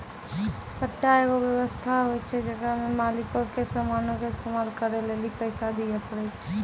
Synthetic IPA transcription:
pəʈːaeɡoʋjəwəst̪ʰaɦojt͡ʃʰɛd͡ʒəɡamemalɪkõkesəmanõkeɪst̪emaːlkəɾelelipəɪsad̪ijapəɾɛt͡ʃʰɛ̥

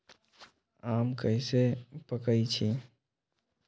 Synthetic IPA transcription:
amkəɪsepəkəit͡ʃʰi

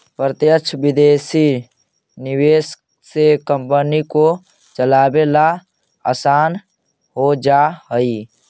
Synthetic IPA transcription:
pɾət̪jəkt͡ʃʰbɪd̪esi | niweːs | sekəmpəniko | t͡ʃəlaːbela | əsaːn | ɦod͡ʒaɦəi

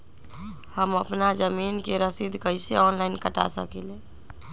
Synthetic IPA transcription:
həməpnad͡ʒəminkeɾəsid̪ʱkəjseɔnlaɪnkəʈa̰sə̰kɛle

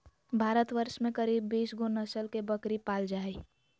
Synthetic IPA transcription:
bʱaːɾət̪ʋəɾʃmẽkəɾiːbːiːsɡonəsəlkebəkɾipaːld͡ʒaːi

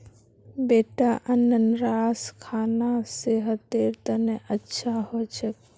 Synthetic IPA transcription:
beːʈaʔənənɾaːskʰaːnaseɦət̪eːɾt̪əneʔətːʃʰaɦot͡ʃʰək̚

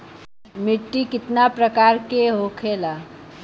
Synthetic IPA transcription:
miʈːikɪt̪napɾəkaɾkeɦokʰela

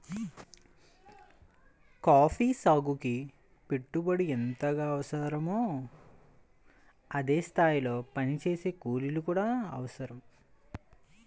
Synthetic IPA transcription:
kaːpʰiːsaːɡuki | peʈːubɐɽient̪ɐɡaːɐʋɐsɐɾɐmoː | ɐd̪e̞ːst̪ʰaːjilo̞ːpɐnit͡ʃe̞ːse̞ːkuːlilukuːɽaːɐ̰ʋɐsɐɾɐm

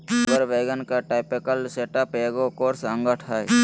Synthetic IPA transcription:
ɡəɾʋeːɡənkaʈaːpikəlseːʈəpeːɡokoːɾsə̃ŋɡəʈʰaːj

